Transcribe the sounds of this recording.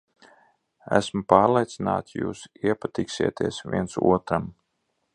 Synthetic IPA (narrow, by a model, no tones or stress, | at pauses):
æ̰smupaːɾlˠet̪sina̰ːt̪sjṵːsiɛpat̪iksiɛt̪iɛsvʲiɛnsṵɔt̪ɾam